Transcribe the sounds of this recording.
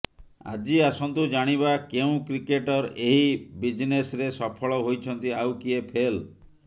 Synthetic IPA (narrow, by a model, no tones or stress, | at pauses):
a̰d͡ʒiasɔnt̪ud͡ʒaɽ̃iβakeũkɾikeʈɔɾeɦibid͡ʒinesɾesɔpʰɔɭɔɦojt͡ʃʰɔnt̪iawkiepʰel